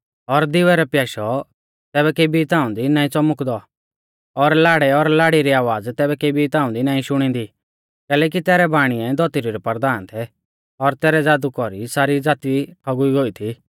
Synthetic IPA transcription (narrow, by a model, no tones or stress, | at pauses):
ɔɾd̪ɪʋɛɾɛpjaːʃɔ | t̪ɛːbɛkebit̪ãːʊ̃d̪inãːĩt͡sɔmʊkd̪ɔ | ɔɾlaːɽɛɔɾlaːɽiɾiaːʋaːd͡zt̪ɛːbɛkebit̪ãːʊ̃nd̪inãːĩʃʊɽ̃ĩnd̪i | kɛːlɛːk̬it̪ɛːɾɛbaːɽ̃iɛ̃d̪ɔt̪iɾoɾɛpɐɾd̪aːnt̪ʰɛ | ɔɾt̪ɛːɾɛd͡zaːd̪ukɔɾisaːɾid͡zaːt̪iʈʰɔɡuiɡoːit̪ʰi